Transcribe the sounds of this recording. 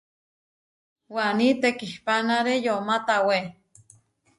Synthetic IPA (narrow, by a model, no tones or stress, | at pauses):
wanit̪ekihpanaɾejomat̪awe